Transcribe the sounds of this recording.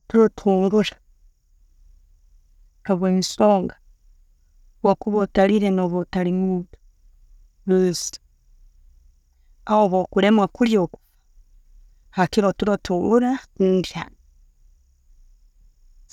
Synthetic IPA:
tuɾotʰuːŋɡuɾḁ | haβwensoːŋɡa | wakuβotaliɾenoβotaliŋuɡa | βes | aoβokuɾemwakuljoku̥ | hakiɾotuɾotuːŋɡuɾakundia̰n

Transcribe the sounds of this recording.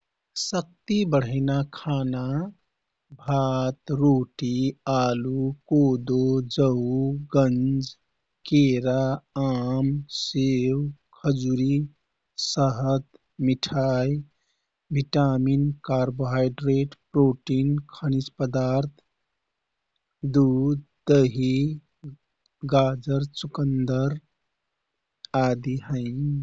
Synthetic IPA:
sək̚t̪ibəɽ̤əɪnakʰana | bʱat̪ɾoːʈialukod̪od͡ʒəɡənd͡ʒ | keɾaamsewkʰəd͡ʒuɾi | səɦət̪ | miʈʰaj | bʱiʈaminkaɾboɦajɖɾeʈpɾoʈinkʰənit͡ʃpəd̪aɾt̪ʰ | d̪ud̪ | d̪əɦi | ɡad͡ʒəɾt͡ʃukənd̪əɾ | ad̪iɦəɪ

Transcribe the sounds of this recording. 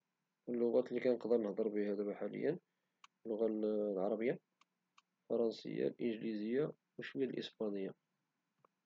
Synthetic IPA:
ʔəlːʊɣæt̪likænəqd̪əɾnəhd̪ˤəɾˤbihæd̪æbħalə̰jːən | lːʊɣælʕɑɾˤɑbəjːa | fɑɾˤɑnsə̰jːa̰lʔənʒlizəjːa | wəʃwijalʔə̰sbɑnəjːa

